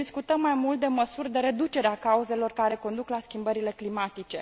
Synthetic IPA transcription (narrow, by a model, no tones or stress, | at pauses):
d̪iskut̪əmːajmult̪̚d̪e̞məsurʲd̪e̞ɾe̞d̪ut͡ʃe̞ɾeakauze̞lo̞rkaɾe̞ko̞nd̪uklaskʲimbəɾile̞klimat̪it͡ʃe̞